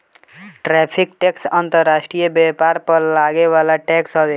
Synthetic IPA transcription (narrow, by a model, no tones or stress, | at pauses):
ʈɾɛpʰikʈɛksant̪əɾːasʈɾijəbɛpaɾpəɾlaɡeβalaʈɛksɦʌbe